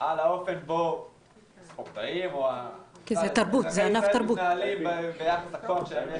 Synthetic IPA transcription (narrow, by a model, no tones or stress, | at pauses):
alaofenbo | spoʁt̪aimoakizet̪aɾbut̪zeanaft̪aɾbunaalimbejaχasakoamʃeem